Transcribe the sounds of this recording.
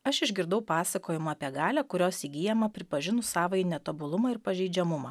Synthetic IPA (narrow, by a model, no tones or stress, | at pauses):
ɐʃɪʒʲɡʲɪɾd̪ɐʊpɑːsɐkoːjɪmʊɐpʲiɛɡɑːlʲæːkʊɾʲoːsiːɡʲijɛmɐpʲɾʲɪpɐʒʲɪnʊsɑːʋɐɪnʲɛt̪ɐbʊlˠʊmɐɪɾpɐʒʲɛɪd͡ʒʲɛmʊmɐː